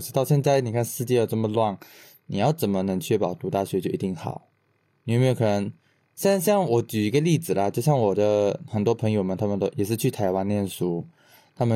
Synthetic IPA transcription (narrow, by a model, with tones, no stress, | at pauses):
ʈ͡ʂɻ̩˧˥t̪ɑ˥˧ʊɕjɛ˥˧nt͡sa˥˧ɪni˨˩kʰa˥˧nʂɻ̩˥˧t͡ɕjɛ˥˧jɑ˥˧ʊʈ͡ʂə˥˩mə˨lwa˥˩ŋ | ni˨˩jɑ˥˩ʊt͡sə˨˩nmə˦nə˧˥ŋt͡ɕʰɥɛ˥˧pɑ˨˩˦ʊt̪u˧˥t̪a˥˩ɕɥɛ˧˥t͡ɕjo˥˩ʊi˧˥t̪i˥˩ŋxɑ̰˨˩˦ʊ | ni˨˥˩me˥˧˩kʰə˨˩nə˧˥ŋ | ɕjɛ˥˧na˥ɕjɑ˥˩ŋwɔ˨˧˥t͡ɕy˨˩i˧˥ɡə˧li˥˩t͡sɹ̩˨˩lɐ˨˦t͡ɕjo˥˧ʊɕjɑ˥˩ŋwɔ˨˩d̪ə˦xə˨˩nt̪wɔ˥pʰə˧˥ŋjo˨˩ʊmə˨nt̪ʰa˥mə˨nt̪o˥ʊjɛ˨˩ʂ̬ɻ̩˥˧t͡ɕʰy˥˩t̪ʰa˧˥ɪwa˥nljɛ˥˨nsu˧˥ | t̪ʰa˥mə˨